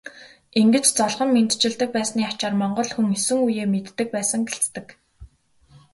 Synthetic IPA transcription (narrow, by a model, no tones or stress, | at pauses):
eŋɡɘ̆t͡ɕt͡sɔɮʁə̆mːent̪t͡ɕɪ̆ɮt̪ɘ̆k̚pæːsniːḁt͡ɕaːrmɔɴɢɞ̆ɮxuŋesɘ̆ŋujeːmet̪ːɘ̆k̚pæːsə̆ŋɡeɬt͡st̪ɘ̆k